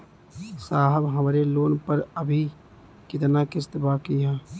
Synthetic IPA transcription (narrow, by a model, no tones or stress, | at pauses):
saːɦəbɦəmɾeloːnpəɾəbʱi | kɪt̪nakɪst̪bakiɦɛ̃ː